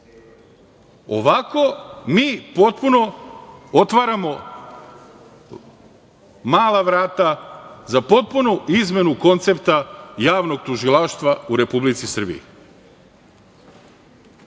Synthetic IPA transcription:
o̞ʋako̞miːpo̞t̪̚puno̞ot̪ʋaɾamo̞ | maːlaʋɾaːt̪azapo̞t̪̚punuizme̞nuko̞nt̪se̞pt̪ajaːʋno̞ɡ̚t̪uʒilˠaʃt̪ʋauɾe̞publit̪sisr̩bḭḭ

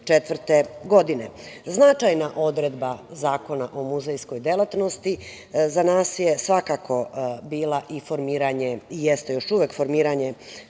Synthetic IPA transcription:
t͡ʃet̪ʋrt̪eɡo̞d̪ine̞znat͡ʃajnaʔo̞d̪ɾed̪bazaːko̞naʔomuzejsko̞jd̪e̞lˠat̪no̞st̪i | zanaːsjesʋakakʰo̞biːlˠaʔifo̞ɾmiːɾaɲeijest̪e̞jo̞ʃuʋekfo̞ɾmiːɾaɲe

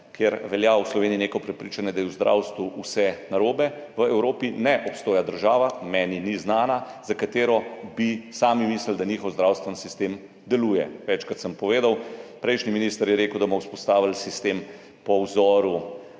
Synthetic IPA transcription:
kʰjeɾʋɛljauslɔʋeːnijinekɔpɾɛpɾiːt͡ʃanjɛd̪ajiwzd̪ɾʔa̰ːwst̪ʋuusɛnaɾoːbɛʋəɛwɾoːpinɛʔɔpst̪oːjad̪əɾʒaːʋamɛːniniznaːnazakat̪eːɾɔbisaːmimiːsləld̪aniːxɔwzd̪ɾawst̪ʋɛnsist̪eːm | d̪ɛluːjɛʋɛt͡ʃkɾat̪səmpɔʋeːd̪awpɾɛjʃniminiːst̪əɾjɛɾeːkəwd̪abɔwspɔst̪aːʋilsist̪em | pɔwzɔːɾu

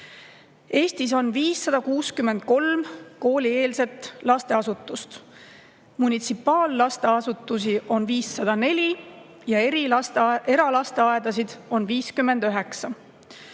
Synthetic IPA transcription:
e̞ːst̪is̬o̞nviːsːɑd̪̥ɑkuːskymːe̞nd̪̥̚ko̞lmko̞ːlʲie̞ːlse̞t̪lɑst̪e̞ɑsut̪ːˑust̪ | munʲit̪sipˑːɑːlːɑst̪e̞ɑsut̪ːˑus̬iʔo̞nviːsːɑd̪̥ɑne̞lʲi | jɑeɾie̞ɾɑlɑst̪e̞ɑed̪̥ɑs̬id̪̥o̞nviːskymːe̞nd̪̥øɦe̞ksɑ

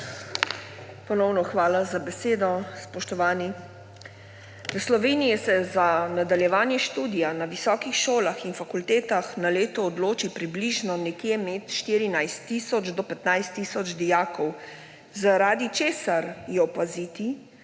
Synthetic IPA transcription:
pɔnɔwnɔxʋaːlazabɛseːd̪ɔspɔʃt̪ɔʋaːni | ʋəslɔʋeːnijɛsɛzanad̪aljɛʋaːnjɛʃt̪uːd̪ijanaʋisɔːkixʃoːlaxinfakult̪eːt̪axnaleːt̪ɔːd̪loːt͡ʃipɾibliʒnɔnɛkjemɛt̪ʃt̪iɾinajst̪ːisɔd͡ʒd̪ɔpɛt̪najst̪ːiːsɔd͡ʒd̪ijaːkɔw | zaɾaːd̪it͡ʃeːsaɾjɛɔpazit̪i

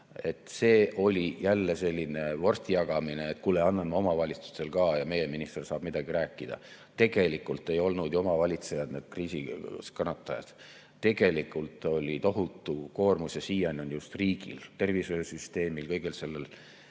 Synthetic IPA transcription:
e̞t̪ːˑse̞ːʔo̞lʲijælːese̞lʲːinevo̞rst̪ijɑɡ̥ɑmineet̪kulːeɑnːɑmːeo̞mɑvɑlʲit̪su̥st̪e̞lkɑːjɑme̞jeminist̪ersɑːb̥mid̪ɑɡ̥iɾæːkːˑid̪̥ɑ̰ | t̪e̞ɡ̥e̞likːˑult̪ːˑe̞jo̞lnud̪̥jomɑvɑlʲit̪se̞jɑd̪̥ned̪̥kriːsiskɑnːɑt̪ːˑɑjɑ̰d̪̥ | t̪e̞ɡ̥e̞likˑult̪ˑo̞lʲit̪o̞ɦut̪ːˑuko̞ːrmusjɑsiːjɑnonjust̪riːɡ̥ḭlt̪e̞rvisøøsyst̪e̞ːmilkɤjɡ̥else̞lːel

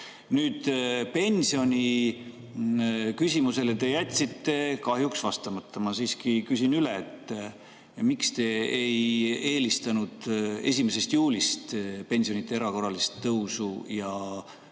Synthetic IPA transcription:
nyːd̪̥pe̞nʲsio̞nʲi | kysʲimuse̞let̪e̞jæt̪ʲsit̪ːe̞kɑɦjuksvɑst̪ɑmɑt̪ʰːɑmɑsiːskikysʲinyleet̪ːˑ | mikst̪e̞eje̞ːlist̪ɑnud̪̥e̞sʲimese̞st̪juːlʲist̪pe̞nʲsionit̪ːˑee̞ɾɑko̞rɑlist̪ːɤwsujɑ

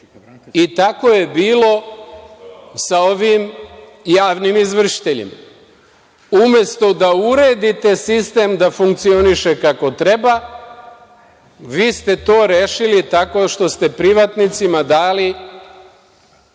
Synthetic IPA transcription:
it̪ako̞je̞biːlo̞ | sao̞ʋim | jaːʋnimizʋr̩ʃi̥t̪eʎḭma | umje̞st̪o̞d̪auɾeːd̪it̪e̞sist̪e̞ːmd̪afuŋkt̪sio̞niʃe̞kako̞t̪ɾe̞ba | ʋiːst̪e̞t̪o̞ːɾeːʃilit̪ako̞ʃt̪o̞st̪e̞pɾiʋat̪nit̪simad̪aːli

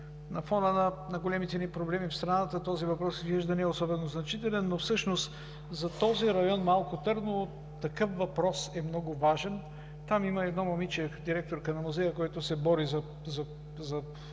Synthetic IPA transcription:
nɐfɔnənɐnɐɡolɛmit̪ɛnipɾoblɛmifst̪ɾɐnat̪ət̪ɔzivɐpɾɔsizviʒd̪ɐniɛosɔbɛnoznɐt͡ʃit̪ɛlɛnːofsɤʃnost̪ | zɐt̪ɔziɾɐjɔnmalˠkʊt̪ɤɾno | t̪ɐkɤfvɐpɾɔsɛmnɔɡʊvaʒɛn | t̪amiməɛd̪nɔmɐmit͡ʃɛd̪iɾɛk̚t̪oɾkənɐmuzɛjəkɔjt̪ʊsɛbɔɾizɐ | zɐ | zɐ

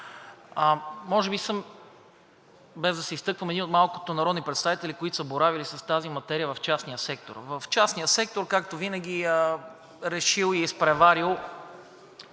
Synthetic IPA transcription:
əmɔʒɛbisɤm | bɛzd̪ɐsɛist̪ɤkvəmɛd̪inot̪malˠko̥t̪onɐɾɔd̪nipɾɛt̪st̪avit̪ɛlikoit̪o̥səboɾavilisɐst̪azimɐt̪ɛɾijəvɐft͡ʃasnijəsɛk̚t̪o̰ɾvəft͡ʃasnijəsɛk̚t̪oɾkakt̪ovinəɡ̟ʲiə | ɾɛʃilˠiispɾɛvaɾilˠ

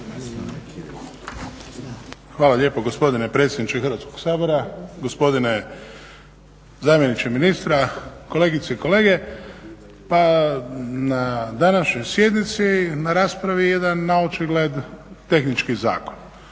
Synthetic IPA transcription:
xʋaːlˠaʎe̞ːpoɡospo̞d̪inepɾe̞t̪sʲjed̪nit͡ʃexɨrɾʋat̪ko̞ɡsaːbo̞ɾaɡo̞spo̞d̪ine | zaːmjenit͡ʃeminist̪ɾako̞le̞ːɡit̪seiko̞le̞ːɡe̞ | pa | nad̪anaʃɲo̞jsje̞d̪nit̪sinaɾaːspɾaʋije̞d̪anːaot͡ʃiɡle̞d̪t̪e̞xnit͡ʃkiza̰ːkon

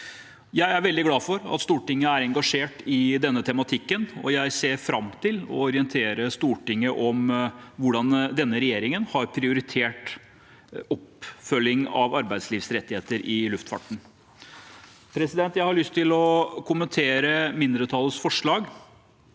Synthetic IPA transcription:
jæɪæɾʋɛld̪ɪɡlɑːfɔɾɑ̰t̪st̪uːʈɪŋːəæɾɛŋɡɑʂeːʈɪd̪ɛnːət̪ʰɛmɑt̪ʰɪkːənɔ̰jæɪseːɾfɾɑmt̪ʰɪlɔ̰ɔɾɪənt̪ʰeːɾəst̪uːʈɪŋːəʔɔmʋʊɖɑnd̪ɛnːəɾɛjeːɾɪŋənhɑɾpʰɾɪʊɾɪt̪ʰeːʈ | ɔpfœlːɪŋɑ̰ʋɑɾbæɪd̪sliːʋsɾɛt̪ːɪheːt̪əɾʔɪlʉft̪fɑ̰ʈɳ̩ | pʰɾɛsɪd̪ɛnt̪jæɪhɑɭʏst̪ʰɪlɔkʰʊmənt̪ʰeːɾəmɪnd̪ɾət̪ʰɑːlˠəsfɔʂɭɑːɡ

